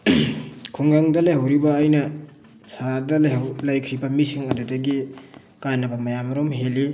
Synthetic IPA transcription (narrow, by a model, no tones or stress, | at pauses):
kʰuŋɡaŋdɐlajhawɾibɐːjnɐ | sadɐlaɦawlajkʰɾibɐmisiŋɐdudɐɡi | kanːɐbɐmɐjamɾomɦeli